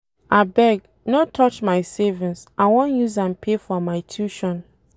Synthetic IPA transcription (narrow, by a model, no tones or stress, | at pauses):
abɛɡ̚ | notʰɔt͡ʃmaɪsevĩnsʔawɔ̃njuzãnpʰefɔmaɪtʰjuʃɔ̃n